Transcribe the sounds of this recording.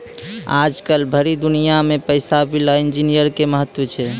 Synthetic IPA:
a̰d͡ʒkəlbʱəɾid̪unijamepəɪsabilaind͡ʒinijəɾkeməɦət̪wət͡ʃʰɛ

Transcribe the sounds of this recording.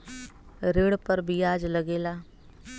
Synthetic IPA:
ɾeːɽpəɾbʱiaːd͡ʒləɡeːlaː

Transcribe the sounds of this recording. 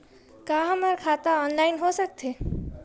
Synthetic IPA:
kaːɦəmaɾkʰaːt̪aɔːnlaːɪnɦosək̚t̪ʰeː

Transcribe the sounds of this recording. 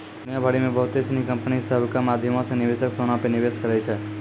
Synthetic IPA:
d̪unjabʱaɽimẽbəɦt̪esnikəmpnisəbkamad̪ʱjəmõsenɪʋeʃəksonapenɪʋeʃkəɾajt͡ʃʰe

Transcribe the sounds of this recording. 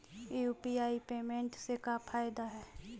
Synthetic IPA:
uːpiaːipeːmẽɳʈsekapʰaːɪd̪aɦɛː

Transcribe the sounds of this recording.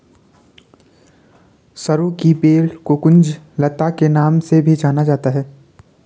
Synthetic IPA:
sɐɾõkibeːlkokʊ̃nd͡ʒ | lɐt̪akenaːmsebʱid͡ʒaːnad͡ʒaːt̪aɦɛː

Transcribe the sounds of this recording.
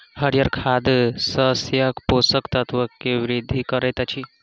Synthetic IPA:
həɾjəɾkʰad̪səɦsjəkposəkt̪ɐt̪ʋəkːeʋɾid̪ʱikəɾet̪at͡ʃʰi

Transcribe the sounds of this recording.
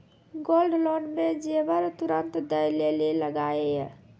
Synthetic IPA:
ɡolɖloɳɖmed͡ʒebəɾt̪uɾənt̪d̪əjleleləɡaeɛ̰

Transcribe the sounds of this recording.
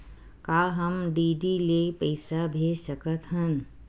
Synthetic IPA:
kaːɦəmɖiːɖileːpəɪsabʱeːsəkət̪ɦən

